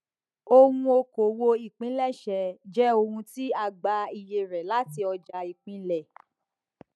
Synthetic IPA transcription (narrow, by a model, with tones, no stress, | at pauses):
o˧hũ˧o˧ko˨wo˧i˦˨k͡pĩ˨˦lɛ˦˨ʃɛ˨d͡ʒɛ˦o˧hũ˧ti˦a˧˨ɡ͡ba˧i˨je˧ɾɛ˨la˨˦ti˧ɔ˧d͡ʒa˧i˨k͡pĩ˨˦lɛ˦˨